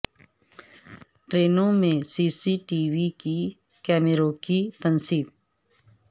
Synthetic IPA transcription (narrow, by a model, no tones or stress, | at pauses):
ʈɾeːnõmẽsiːsiʈiːʋiki | kɛːmɪɾõːkit̪ɐnsiːb̚